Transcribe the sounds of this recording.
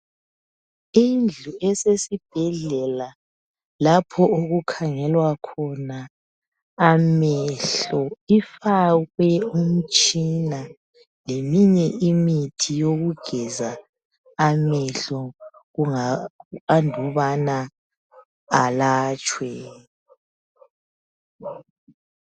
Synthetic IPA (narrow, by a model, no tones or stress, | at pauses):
ind͡ɮʱuʔɛsesib̥ʱɛɮɛla | lapʰɔoɣukʰaŋɛlwakʰɔnaː | mɛɬɔifaɣwɛum̩t͡ʃʼina | lemiɲɛʔimitʰijoɣuɡ̥ʱɛzaː | mɛɬɔɣuŋaandʱuβana | laːt͡ʃʼwɛ